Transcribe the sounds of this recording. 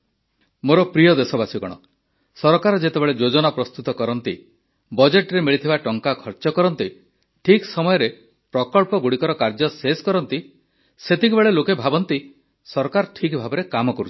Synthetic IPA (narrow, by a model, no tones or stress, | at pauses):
moɾɔpɾijɔd̪esɔbasiɡɔɽ̃ɔ̰ | sɔɾɔkaɾɔd͡ʒet̪ebeɭed͡ʒod͡ʒɔnapɾɔst̪ut̪ɔkɔɾɔnt̪ḭ | bɔd͡ʒeʈɾemiɭit̪ʰibaʈɔŋkakʰɔɾt͡ʃɔkɔɾɔnt̪i | ʈʰiksɔmɔjɔɾe | pɾɔkɔɭpɔɡuɽikɔɾɔkaɾd͡ʒɔseskɔɾɔnt̪i | set̪ikubeɭelokebʱabɔnt̪i | sɔɾkaɾʈʰikbʱabeɾekamɔkɔɾut͡ʃʰi̥